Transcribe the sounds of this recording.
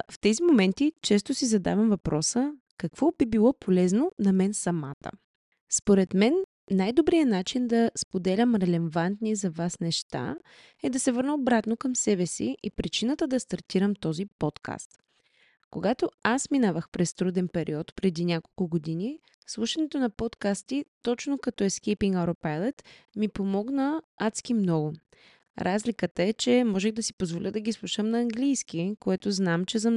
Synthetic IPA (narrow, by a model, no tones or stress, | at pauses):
ft̪ɛzimomɛnt̪it͡ʃɛs̬t̪osizɐd̪a̰vɐmvɐpɾʔɔsə | kɐkv̥ɔbibilˠɔpʰolɛznonɐmɛnsɐmat̪ə̰ | spoɾɛt̪mɛnː | ajd̪obɾijənat͡ʃind̪ɐspod̪ɛlʲəmɾɛlɛvant̪nizɐvasnɛʃt̪a̰ | ɛd̪ɐsɛvɤɾnəobɾat̪nokəmsɛbɛsiʔipɾit͡ʃinət̪əd̪ɐst̪ɐɾt̪iɾəmt̪ɔzipɔt̪kʰa̰st̪ | koɡat̪oasminavəxpɾɛst̪ɾud̪ɛnpɛɾʔḭɔt̪pɾɛd̪inʲako̥lˠkʊɡod̪ini | slˠuʃɐnɛt̪onɐpɔt̪kast̪it̪ɔt͡ʃnokɐt̪ɔɛskɛjpiŋɡaɾopajlˠɛt̪mipomɔɡnəat̪sk̟imnɔɡʊ | ɾʔazlikət̪əɛt͡ʃɛmɔʒɛxd̪ɐsi̥pozvolʲəd̪ɐɡʲislˠuʃəmnɐːŋɡlijskikoɛt̪ʊznamt͡ʃɛzɐ